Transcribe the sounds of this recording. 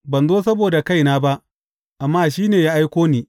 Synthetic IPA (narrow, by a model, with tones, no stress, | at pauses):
bɐ˨nzoː˦s̬ɐ˦boː˨da˨ka˦˨jnaː˦ba˦ʔ | ʔa˨mːaː˦ʃiː˦neː˨jaː˦ʔa˦jkʷoː˦niː˦